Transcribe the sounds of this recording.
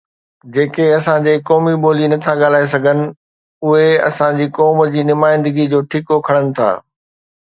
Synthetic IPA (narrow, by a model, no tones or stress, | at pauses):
d͡ʑeːkeɐsãd͡ʑeːkɔːmiɓoːlinɐt̪ʰaɠaːl̤aːes̬ɐɡʱənɪ̆ | ʊɦeɐ̰sãd͡ʑiːkɔːməd͡ʑiːnʊmaːɪ̃nd̪əɡid͡ʑoːʈʰiːkokʰɐɽ̃ənɪ̆t̪ʰa̰ː